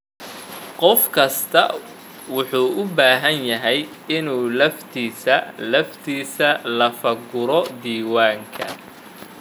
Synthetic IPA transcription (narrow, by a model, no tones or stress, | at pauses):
qɔfkʰɐst̪ʰɐ̰ | wʊħuːʔʊbaːɦɐnjɐɦɛj | ɪnuːlɐft̪ʰiːsɐlɐft̪ʰiːsɐlɐfɐɡʊɾɔd̪iːwaːŋkʰɐ